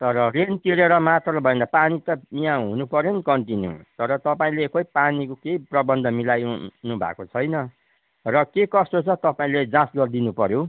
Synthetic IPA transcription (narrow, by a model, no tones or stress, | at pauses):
t̪ʌɾʌrent̪iɾeɾʌmat̪rʌbʱʌẽnd̪apanit̪ʌmijãɦunupʌɾjenikʌɳʈinjṵt̪ʌɾʌt̪ʌpaĩlekʌjpanikokeiprʌbʌnd̪ʱʌmilajnubʱa̰kot͡sʰʌjnʌ | rʌkekʌst̪ot͡sʰʌt̪ʌpaĩled͡zãsɡʌrd̪inupʌɾjo